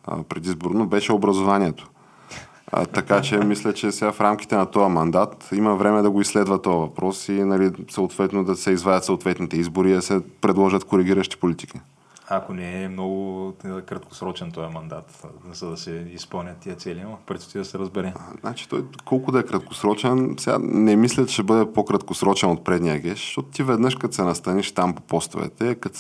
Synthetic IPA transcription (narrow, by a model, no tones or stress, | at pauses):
pɾɛd̪izboɾnobɛʃɛobɾɐzovaniɛt̪o̥̰ | t̪ɐkat͡ʃɛmislʲɛt͡ʃɛsɛɡafɾamk̟i̥t̪ɛnɐt̪ɔjɐmɐnd̪at̪imɐvɾɛmɛd̪ɐɡoisːlɛd̪vɐt̪ɔjəvɐpɾɔsinɐlisɐot̪vɛt̪nod̪ɐsɛizvadɐt̪sɐot̪vɛt̪nit̪ɛizboɾiːd̪ɐsɛpɾɛd̪lˠɔʒət̪koɾiɡ̟ʲiɾəʃt̪i̥polit̪i̥ki | akonɛɛmnɔɡʊkɾɐt̪̚ko̥sɾɔt͡ʃɛnt̪ɔjəmɐnd̪at̪zɐd̪ɐsɛispɤlˠnʲət̪ːiət̪sɛliamɐpəɾt̪so̥t̪id̪ɐsɛɾɐzbɛɾɛznʔa̰t͡ʃi̥t̪ɔjkɔlˠkʊd̪ɐɛkɾɐt̪̚ko̥sɾɔt͡ʃɛnsɛɡa̰nɛmislʲɐt̪ʃɛbɤd̪ɛpokɾɐt̪kosɾɔt͡ʃɛnot̪̚pɾɛd̪nijəɡɛʃʃt̪ɔt̪ʊ̥t̪ivɛd̪nɤʃkɐt̪sɛnɐst̪ɐniʃt̪ampo̥pɔst̪o̰vɛ̰t̪ɛkɐt̪